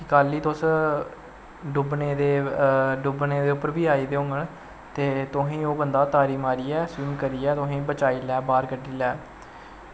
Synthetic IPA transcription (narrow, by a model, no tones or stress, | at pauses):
kɪkaːliːt̪ʊs | ɖʊbneːd̪eːɖʊbneːd̪eːʊpːəɾbiːaːiːd̪eːõːŋɡəɳ | t̪eːt̪ʊɦẽːoːbənd̪aːt̪aːɾiːmaːɾiːɛːsuːnkəɾiːɛːt̪ʊɦẽːbət͡ʃaːiːlɛːbaːɾkəɖiːlɛː